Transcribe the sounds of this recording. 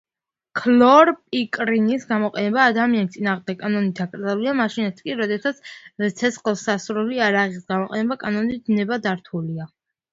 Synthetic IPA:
kʰlɔɾpʼikʼɾinisɡamɔqʼɛnɛbaːd̪amianist̪sʼinaːʁmd̪ɛkkʼːanɔnit̪ʰakʼɾd̪zaliamaʃinat̪ʰkʼiɾɔd̪ɛsat̪sʰt̪sʰɛsχɔsasɾuliaɾaʁisɡamɔqʼɛnɛbakʼanɔnid̪nɛbad̪aɾt̪ʰulia

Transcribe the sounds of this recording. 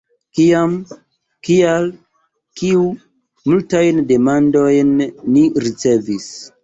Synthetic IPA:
kiam | kial | kiu | multajnde̞mando̞jnːiɾit͡se̞vis

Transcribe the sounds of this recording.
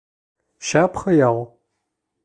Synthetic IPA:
ʃaːpχɐjaːʁʷ

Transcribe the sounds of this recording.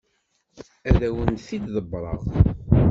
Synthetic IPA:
æðæwənθid̪ðəbɾˤɑ̰ʁ

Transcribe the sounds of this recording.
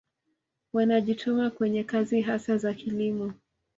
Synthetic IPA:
wanaʄitʰɔmakwɛɲɛkaziɦasazakʰilimɔ

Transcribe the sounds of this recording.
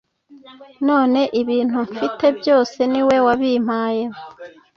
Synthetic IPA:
no̞ːne̞ʔiβiːn̥huɱfite̞bjo̞ːse̞niwe̞waβiːm̥aːjem

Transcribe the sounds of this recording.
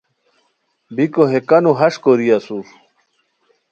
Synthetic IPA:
bikoɦekɐnuɦɐʂkoɾijɐsuɾ

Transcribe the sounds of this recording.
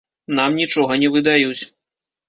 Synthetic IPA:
namnʲit͡ʂɔɣɐnʲɛvɨd̪ajut͡sʲ

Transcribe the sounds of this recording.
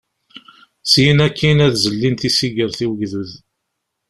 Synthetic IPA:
sjnækːinæðzəlːint̪isiɡəɾθiwəɡðuð

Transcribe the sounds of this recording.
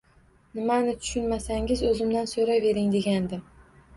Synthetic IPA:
nɪmanɪt̪ʰʊ̥ʃʊnmasaŋɡʲɪzɵzɪmd̪ansoɾave̞ɾɪŋd̪e̞ɡʲand̪ɪ

